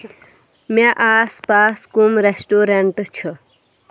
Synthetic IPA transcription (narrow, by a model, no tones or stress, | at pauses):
meʔaːspaskumɾesʈoɾeɳʈt͡ʃʰʌ